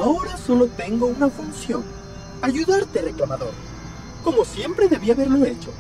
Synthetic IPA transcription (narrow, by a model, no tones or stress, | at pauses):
aoɾaso̞lot̪e̞ŋɡo̞unafunsjo̞̰n | aʝuðaɾt̪ere̞klamaðo̞̰ɾ | ko̞mo̞sje̞mpɾe̞ðe̞βiaβe̞ɾloe̞t͡ʃo̞